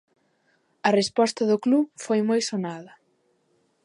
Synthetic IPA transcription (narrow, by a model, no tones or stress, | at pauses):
ɐrespɔst̪ɐðʊklufojmojsonaðɐ